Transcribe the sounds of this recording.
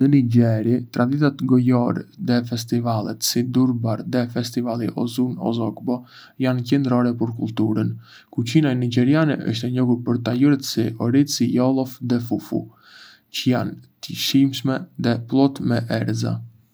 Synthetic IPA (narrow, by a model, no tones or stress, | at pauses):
dəniɟɛɾit̪ɾad̪iθat̪ɡɔjɔɾðɛfɛst̪ivalˠɛt̪sid̪uɾbaɾðɛfɛst̪ivalˠiʔɔ̰zunɔ̰zɔkbɔ | jancɛnd̪ɾɔɾɛpəɾkulˠt̪uɾən | kut͡ʃinaɛnid͡ʒɛɾjanɛʔə̰ʃt̪ɛɲɔɡuɾpəɾt̪ajuɾɛt̪siɔɾit͡sijɔlˠɔfðɛfufṵ | cəjant̪əʃimʃmɛðɛplˠɔt̪mɛʔɛɾza̰